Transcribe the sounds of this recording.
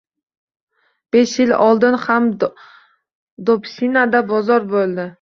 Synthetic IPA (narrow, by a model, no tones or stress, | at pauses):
b̥e̞ʃjɪlɒlˠd̪ɪnham | d̪opsinad̪abɒzɒɾbolˠd̪ɪ